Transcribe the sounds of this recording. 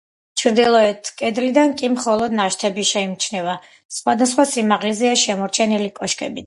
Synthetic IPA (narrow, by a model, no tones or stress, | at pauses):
t͡ʃʰɾd̪ilˠɔɛt̪ʰkʼɛd̪lid̪ankʼimχɔlˠɔd̪naʃt̪ʰɛbiʃɛimt͡ʃʰnɛva | sχwad̪asχwasimaʁlizɛaʃɛmɔɾt͡ʃʰɛnilikʼɔʃkʼɛ̰bi